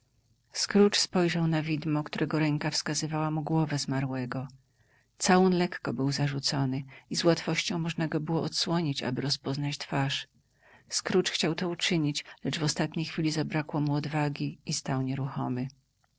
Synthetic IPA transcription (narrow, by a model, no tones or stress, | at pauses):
skɾut͡ʂspɔjʐawnavʲid̪mɔkt̪uɾʔɛɡɔɾɛŋkafskazɘvawamuɡwɔvɛzmaɾwɛɡɔ | t̪sawɔnlɛkːɔbɘwzaʐut̪sɔnɘizwat̪fɔɕt͡ɕɔ̃w̃mɔʐnaɡɔbɘwɔʔɔt̪swɔɲit͡ɕa̰bɘɾɔspɔznat͡ɕt̪faʂ | skɾut͡ʂxt͡ɕawt̪ɔut͡ʂɘɲit͡ɕlɛʐvɔst̪at̪ɲejxfʲilʲizabɾakwɔmuɔd̪vaɡʲiist̪awɲɛɾuxɔ̰mɘ